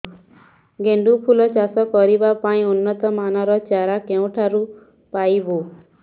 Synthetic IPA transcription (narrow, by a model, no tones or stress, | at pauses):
ɡeɳɖupʰulɔt͡ʃasɔkɔɾibapaĩunːət̪ɔmanɔɾɔt͡ʃaɾakeũʈʰaɾu | paibo